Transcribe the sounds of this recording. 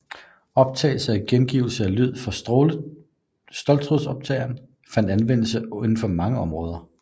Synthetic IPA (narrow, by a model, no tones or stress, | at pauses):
ɒ̽b̥̚t͡sʰɛ̰ːɪl̩səæɡ̥enɡ̥iːʊl̩səælyð̞̰ˠfɒ̽ | sd̥ɒ̽lt͡sʰʁuðˠsɒ̽b̥̚t͡sʰɛ̰ɪɐn | fænd̥ænʋen̰l̩sənn̩fɒ̽mɑ̈ŋəɒ̽mʁɔ̽ːð̞ˠɐ